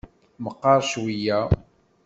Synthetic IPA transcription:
məqːɑɾˤʃwijæ

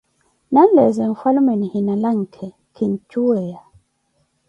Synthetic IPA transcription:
nanlɛzɛɱ̩falumɛnihinalaŋ̩kʰɛ | kʰint͡ʃuɛja

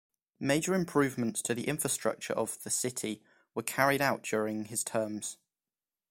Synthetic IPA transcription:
meɪd͡ʒəɹɪ̃mpʰɹ̥ʉːvmə̃nstʰəðiʔɪ̃ɱfɹəstɹ̥ʌ̰k̚t͡ʃə̰ɹʔəvðəsɪtʰɪ | wəkʰaɹɪɾaʊʔd̥ɔːɹɪ̃ŋɪz̥tʰɜːmz̥

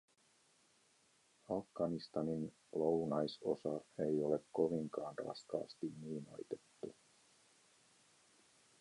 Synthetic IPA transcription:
ɑfɡ̥ɑnist̪ɑnin | lownɑjso̞̰sɑe̞jo̞le̞kːo̞ʋiŋkɑːnrɑ̰skɑ̰ːst̪inniːno̰jt̪e̞̥t̪ːu

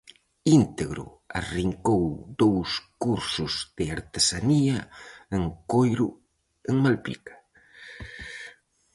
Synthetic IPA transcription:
int̪eɣɾʊ̰ | a̰riŋkowd̪owskuɾsʊzðɪaɾt̪esaniaeŋkojɾʊ | eŋmalpḭkḁ

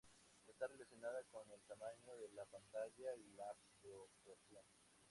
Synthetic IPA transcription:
est̪are̞lasjo̞naðakone̞lt̪amaɲo̞ðe̞lapant̪aʝailaft̪ɾoposjon

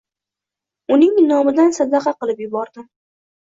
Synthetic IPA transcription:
ʊnɪŋnɒmɪd̪ansad̪ɑqʰɑqɨlˠɪpjʊbɒɾd̪ɪ

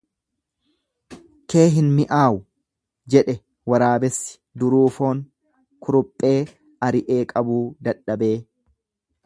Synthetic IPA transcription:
ke̞ːɦɪnmɪʔaːwʊ | d͡ʒɛᶑɛ | wɐɾaːbɛsːɪ̥d̪ʊɾuːfo̞ːŋ | kʰʊɾʊpʼːe̞ː | ɐɾɪʔeːkʼɐbuːd̪ɐᶑːɐbe̞ː

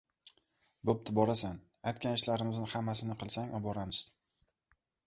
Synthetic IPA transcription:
bʊp̚t̪ʰɪbɒɾasan | ajt̪̚ʲkʲanɪʃlaɾɪmɪznɪhamːasɪnɪqɨlˠsaŋabɒɾamɪz̥

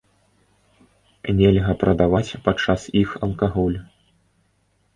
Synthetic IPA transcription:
nʲɛlʲɣɐpɾʔɐd̪avat͡sʲpat͡ʂːasixɐlˠkaɣɔlʲ

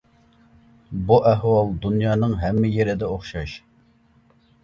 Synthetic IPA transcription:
buʔæɦwɑlˠd̪unjɑːnɨŋɦɛmːɪjeɾɪd̪ɛoχʃɑʃ

